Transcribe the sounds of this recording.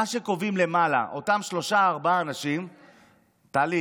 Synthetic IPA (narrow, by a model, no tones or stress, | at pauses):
aʃe̞ko̞vimle̞mala̰ʔo̞tamʃlo̞ʃaːʁbaːnaʃim | t̪aːli